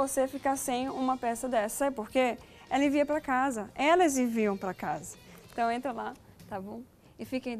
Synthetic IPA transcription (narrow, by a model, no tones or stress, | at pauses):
osefikaɾsẽj̃ũmɐpɛsɐd̪ɛssɐpoɾkeɛlẽviɐpɾɐkazɐɛlɐzẽviɐ̃w̃pɾɐkazɐẽt̪ɐ̃w̃ẽnt̪ɾɐ̃lat̪abõw̃ | ɪfikẽ